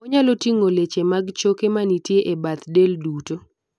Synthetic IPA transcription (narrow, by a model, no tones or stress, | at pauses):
ɔɲalotiŋolet͡ʃemaɡt͡ʃokemanitjeʔebat̪delduto